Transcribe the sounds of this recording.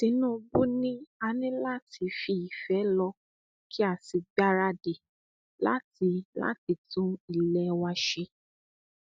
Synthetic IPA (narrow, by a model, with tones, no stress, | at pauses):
tĩ˧˦nũ˦˧bu˦nĩ˦a˧nĩ˦la˦ti˧fi˧i˨fɛ˨˦lɔ˧ | kʰi˦a˦˨si˧ɡ͡ba˦ɾa˦de˨ | la̰˦ti˧la̰˦ti˧tũ˦i˨lɛ˧wa˧ʃe˧